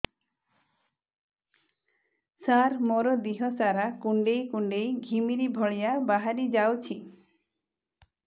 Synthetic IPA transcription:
saɾmoɾɔd̪iɦɔsaɾakuɳɖejkuɳɖejɡʱimiɾibʱɔɭijabaɦaɾid͡ʒawt͡ʃʰi

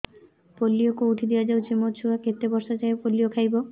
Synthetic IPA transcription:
polːiokuuʈʰid̪ejad͡ʒawt͡ʃʰimot͡ʃʰuaket̪ebɔɾʃat͡ʃaepolːijokʰajbo

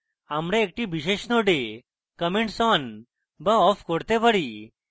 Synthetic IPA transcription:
amɾẽːk̚ʈibiɕeɕnoɖe | kəmeɳʈsɔn | bəɔfkoɽt̪epəɽi

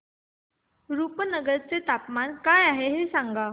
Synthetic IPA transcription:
ɾupənəɡəɾt͡set̪apmankajaɦeɦesaŋɡa

